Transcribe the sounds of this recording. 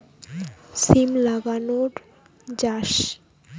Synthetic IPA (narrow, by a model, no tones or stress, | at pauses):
simlaɡanoɾ | d͡ʑaʃ